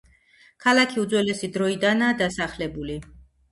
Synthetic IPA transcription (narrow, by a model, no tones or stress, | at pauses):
kʰalˠakʰiud̪zwɛlɛsid̪ɾɔid̪anaːd̪asaχlɛbuli